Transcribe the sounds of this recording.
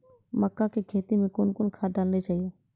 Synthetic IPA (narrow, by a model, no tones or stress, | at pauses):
məkːakekʰeːt̪imẽkʊnkʊnkʰaːɖaːlnet͡ʃaːɦijo